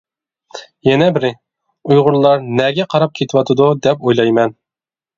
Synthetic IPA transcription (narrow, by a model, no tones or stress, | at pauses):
jɛnɛbɪɾɪ | ujʁʊɾlˠɑɾnɛɡʲɛqʰɑɾɑp̚kʲʰet̪ʰɪwɑt̪ʰɨd̪ud̪ɛpojlˠɑjmɛn